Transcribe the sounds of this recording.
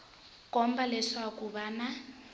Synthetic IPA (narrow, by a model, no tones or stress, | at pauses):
kɔmbalɛʂakuβana